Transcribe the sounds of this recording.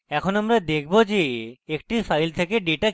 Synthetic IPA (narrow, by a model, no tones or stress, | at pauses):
ɛkʰonamɾad̪ekʰbod͡ʒeek̚ʈipʰajlt̪ʰekeɖeʈa